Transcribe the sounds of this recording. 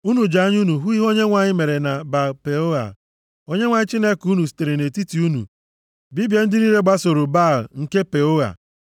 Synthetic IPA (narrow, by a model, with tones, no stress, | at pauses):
u˦nu˨d͡ʒa˦ɲ˦u˦nu˨ɦu˦i˦ɦo˦ɲe˦ŋʷa˨ɲɪ˦me˨ɾe˨na˨ba˨pe˨o˦ɣa̰˨ | o˦ɲe˦ŋʷa˨ɲɪ˦t͡ʃi˦ne˦ku˦nu˨s̬i̥˨te˨ɾe˨ne˨ti˦ti˨u˦nṵ˨ | bi˦bje˦n̩˦dɪ˦ni˦ɾe˦ɡ͡ba˦so˨ɾo˨ba˦˨lŋ̩˨ke˦pe˨o˦ɣa̰˨